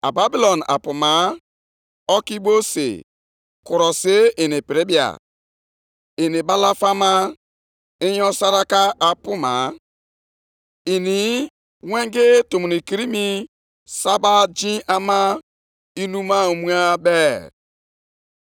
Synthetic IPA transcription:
a̰˨ba˦bi˦lo˨na̰˨pu˨ma˨˦ | ɔ˦ki˦bo˦sḛ˨ | ku˨ɾɔ˨se˦i˨ni˨pɪ˨ɾi˦bi˨a̰˨ | i˨ni˨ba˦la˦fa˦ma˦ | i˦jɔ˦sa˦ɾa˦ka˦a˨pu˦ma̰˨ | i˨ni˨˦ | we˦ŋɡe˦to˨mu˨ni˨ki˨ɾi˦mi˦ | sa˦ba˦d͡ʒĩ˦ʔa˦ma˦ | i˦nu˦ma˦o˨mu˦a˦bɛ˦

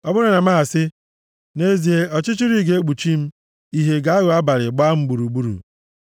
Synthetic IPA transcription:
ɔ˦bʊ˦ɾʊ˨na˨ma˦a˨sɪ˦ | ne˦zi˨e˦ɔ˨t͡ʃɪ˦t͡ʃi˦ɾi˦ɡe˦e˦ɡ͡bu˨t͡ʃi˦m̩˦ | i˦ɦe˦ɡa˨a˦ɣʊ˨a˦ba˨ɾɪ˨ɡ͡ba˦m̩˦ɡ͡bu˨ɾu˨ɡ͡bu˦ɾṵ˨

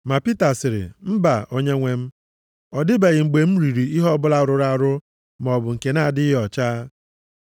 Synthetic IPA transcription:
ma˨pi˦ta˨sɪ˨ɾɪ̰˨m̩˦ba˨o˦ɲe˦ŋʷe˦m̩˦ | ɔ˨dɪ˦ba˨ɣɪ˨ŋ͡m̩˨ɡ͡be˨m̩˦ɾi˨ɾi˨i˦ɦɔ˦bʊ˦la˦˨ɾʊ˨ɾa˦˨ɾʊ˦ | m˨ɔ˨bʊ˨ŋ̩˨ke˨na˦a˨dɪ˦ɦɔ˨t͡ʃaː˦

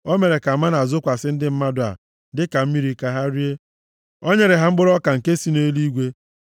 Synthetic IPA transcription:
o˦me˨ɾe˨ka˨ma˦na˨zʊ˦kʷa˨sɪ˦n̩˦dɪ˦m̩˦ma˦dʊ˨a̰˨ | dɪ˦ka˨m̩˦mi˦ɾi˨ka˦ɦa˦ɾi˦e˦ | o˦ɲe˦ɾɪ˨ɦa˦ŋ͡m̩˦ɡ͡bʊ˦ɾɔ˦ka˨ŋ̩˨ke˦si˦ne˦li˦ɡʷe˦

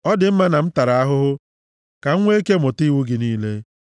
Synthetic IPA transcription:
ɔ˦dɪ˨m̩˦ma˦na˨m̩˦ta˨ɾa˨a˦ɦʊ˦ɦʊ˦ | ka˨ŋ̩˦ŋʷe˦e˦ke˦mʊ˨ti˦wu˦ɡɪ˨niː˦le˦

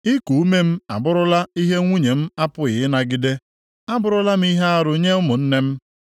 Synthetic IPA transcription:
ɪ˦ku˨u˦me˦m̩˦a̰˨bʊ˦ɾʊ˦la˦i˦ɦe˦ŋʷu˦ɲe˨m̩˦a˦pʊ˦ɣɪ˨ɪ˦na˨ɡɪ˦de˦ | a˦bʊ˦ɾʊ˦la˦m̩˦i˦ɦe˦a˦ɾʊ˨ɲe˦ʊ˦mʊ˨n̩˦ne˦m̩˦

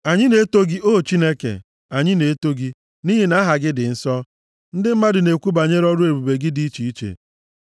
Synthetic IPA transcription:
a˨ɲɪ˦ne˦to˦ɡi˦o˦˨t͡ʃi˦ne˦kḛ˨ | a˨ɲɪ˦ne˨˦to˦ɡi˦ | ni˦ɦi˨na˦ɦa˨ɡɪ˦dɪ˨n̩˦sɔ˦ | n̩˦dɪ˦m̩˦ma˦dɪ˨ne˨kʷu˦ba˨ɲe˦ɾɔ˦dʊ˦e˨bu˨be˨ɡɪ˦di˦t͡ʃi˨i˦t͡ʃḛ˨

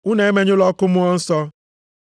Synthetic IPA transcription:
u˦ne˨e˦me˦ɲʊ˦lɔ˦kʊ˦mʊ˦ɔ˦n̩˦sɔ˦

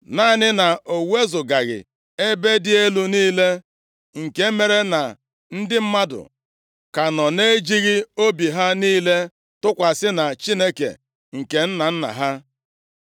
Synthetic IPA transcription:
naː˦˨nɪ˦na˨o˨we˦zʊ˨ɡa˨ɣɪ̰˨ | e˦be˦dɪ˦e˦lu˦niː˦le˦ | ŋ̩˨ke˦me˦ɾe˦na˨ | n̩˦dɪ˦m̩˦ma˦dʊ̰˨ | ka˨nɔ˨ne˦d͡ʒi˦ɣi˦o˦bi˨ɦa˦niː˦le˦ | tʊ˦kʷa˨sɪ˦na˨t͡ʃi˦ne˦kḛ˨ | ŋ̩˨ke˨n̩˦na˨n̩˦na̰˨ɦa˦

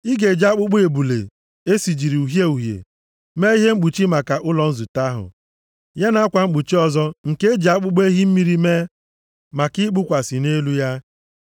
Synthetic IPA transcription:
i˦ɡe˨d͡ʒa˦k͡pʊ˦ɡ͡be˨bu˨lḛ˨ | e˦si˨d͡ʒi˨ɾi˨u˨ɦje˦u˨ɦjḛ˨ | me˦i˦ɦe˦ŋ͡m̩˦k͡pu˨t͡ʃi˦ma˨ka˨ʔʊ˦lɔ˨n̩˦zu˨ta˦ɦʊ̰˨ | ja˦na˦a˦kʷa˨ŋ͡m̩˦k͡pu˨t͡ʃi˦ɔ˦zɔ˦ŋ̩˨ke˦d͡ʒa˦k͡pʊ˦ɡ͡be˦ɦi˦m̩˦mi˦ɾi˦me˦ | ma˨ki˦ɡ͡bʊ˦kʷa˨sɪ˨ne˦lu˦ja˦

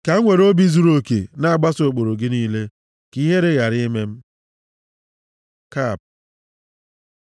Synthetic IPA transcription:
ka˨˦ŋʷe˨ɾo˦bi˦zu˦ɾo˦kḛ˨na˦a˨ɡ͡ba˦so˨k͡po˨ɾo˨ɡɪ˦niː˦le˦ | ki˦ɦe˦ɾe˦ɣa˨ɾɪ˦me˦m̩˦ | ka˦˨p̚

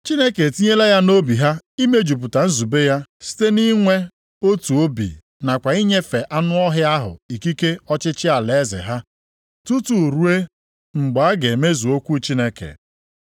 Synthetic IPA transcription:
t͡ʃi˦ne˦ke˨ti˦ɲe˦la˦ja˦no˦bi˨ɦa˦i˦me˦d͡ʒu˨p̬ʊ˨ta˨n̩˦zu˨be˦ja˦si̥˦te˦ni˦ŋʷe˦ | o˦tu˨o˦bḭ˨ | na˨kʷa˨i˦ɲe˦fe˨ʔa˦nʊ˦ɔ˦ɦɪ˦a˦ɦʊ̰˨i˨ki˦ke˦ɔ˦t͡ʃɪ˦t͡ʃɪ˦a˨le˨˦zḛ˨ɦa˦ | tu˦tu˨ɾu˦e˦ | ŋ͡m̩˨ɡ͡ba˨a˦ɡe˨me˦zu˨o˦kʷu˦t͡ʃi˦ne˦kḛ˨

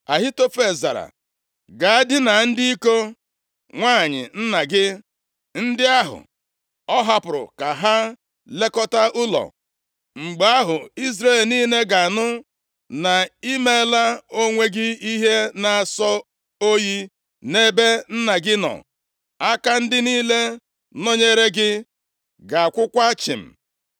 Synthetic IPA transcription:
a˨ɦɪ˦to˦fe˨za̰˨ɾa̰˨ | ɡa˨a˦dɪ˦na˨n̩˦di˦i˦ko˦ | ŋʷaː˦˨ɲɪ̰˨n̩˦na˨ɡɪ˦ | n̩˦dɪ˦a˦ɦʊ̰˨ | ɔ˦ɦa˦pʊ˨ɾʊ̰˨ka˨ɦa˦ | le˦kɔ˦ta˦ʊ˦lɔ̰˨ | ŋ͡m̩˨ɡ͡ba˦ɦʊ˨i˦zɾe˦˨lniː˦ne˦ɡa˨nʊ˦ | na˨i˦me˦la˦o˦ŋʷe˦ɡɪ˦i˦ɦe˦na˨a˨sɔ˦ | o˦ji˦ | ne˦be˦n̩˦na˨ɡɪ˦nɔ̰˨ | a˦ka˦n̩˦dɪ˦niː˦le˦ | no˦ɲe˦ɾe˦ɡɪ˦ | ɡa˨a˨kʷʊ˦kʷa˦t͡ʃɪ̰˨m̩˨

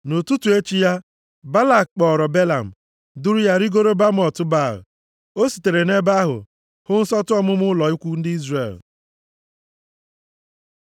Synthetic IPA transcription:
no˨tu˦tu˨e˦t͡ʃi˦ja˦ | ba˦la˨k̚k͡pɔ˨ɾɔ˨be˦la̰˨m̩˨ | dʊ˦ɾʊ˦ja˦ɾi˦ɡo˦ɾo˦ba˦m˦ɔ˨tʊ˦ba̰˦˨ | o˦si̥˨te˨ɾe˨ne˦ba˦ɦʊ̰˨ | hʊ˦n̩˦sɔ˦tʊ˦ɔ˦mʊ˦mʊ˦lɔ˨i˦kʷu˦n̩˦dɪ˦i˦zrḛ˨l

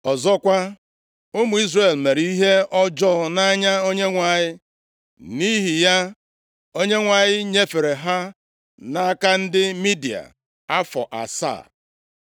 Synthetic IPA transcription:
ɔ˨zɔ˦kʷa˦ | ʊ˦mu˨i˦zre˨lme˨ɾi˦i˦ɦe˦ɔ˦d͡ʒɔ˦na˦ɲa˦o˦ɲe˦ŋʷa˨ɲɪ˦ | ni˦ɦi˨ja˦ | o˦ɲe˦ŋʷa˨ɲɪ˦ɲe˦fe˨ɾe˨ɦa˦ | na˦ka˦n̩˦dɪ˦mi˦di˨a̰˨ | a˦fɔ̰˨ʔa̰˨sa̰˦˨

